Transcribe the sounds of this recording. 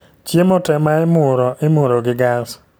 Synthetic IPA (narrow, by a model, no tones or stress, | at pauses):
t͡ʃjemotɛmaɛmʊɾɔʔɪmoɾoɡɪɡas